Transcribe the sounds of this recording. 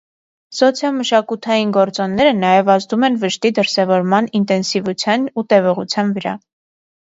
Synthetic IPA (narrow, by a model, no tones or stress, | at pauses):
sɔt͡sʰjɑlməʃɑkut̪ʰɑjinɡɔɾt͡sɔnːɛɾənɑjɛvɑzd̪umɛnvəʃt̪id̪əɾsɛvɔɾmɑnint̪ɛnsivut͡sʰjɑnut̪ɛvɔʁut͡sʰjɑnvəɾɑ̰